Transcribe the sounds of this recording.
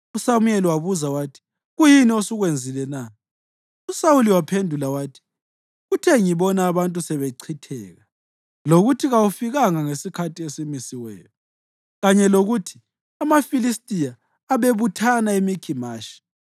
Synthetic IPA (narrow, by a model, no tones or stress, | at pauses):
usamujɛliwaβuzawaːtʰi̥ | ɣujiniosuɣwend͡zʱilɛna | usawuliwapʰendʱulawaːtʰi̥ | ɣutʰɛŋiβɔnaːβantʼusɛβeǀʰitʰɛ̰ːɣa | loɣutʰiɣawufiɣaŋaŋesikʰatiesimisiwɛ̰ːjɔ | ɣaɲɛloɣuːtʰi̥ | amafilis̬tʼijaː | βeβutʰanaimikʰimaːʃi̥